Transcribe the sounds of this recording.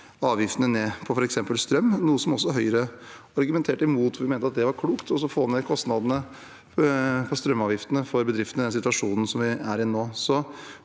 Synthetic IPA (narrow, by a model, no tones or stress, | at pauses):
ɑːʋjɪft̪ənəneːpʰɔfɔɾɛksɛmpəlst̪ɾœmːnuːəsɔmɔsːɔɦœʏəɾəɑɾɡʉmɛnt̪ʰeːʈɪmuːt̪ʋʊɾʋɪmæɪt̪əɑt̪̚d̪ɛʋɑɾkʰluːkt̪ɔs̬ːɔfoːnekʰɔst̪nɑd̪ənə | pʰɔst̪ɾœmːɑːʋjɪft̪ənəfɔɾbəd̪ɾɪft̪nəɪd̪ɛnsɪt̪ʋɑʂuːnn̩sɔmʋɪæɾɪnːoːsɔ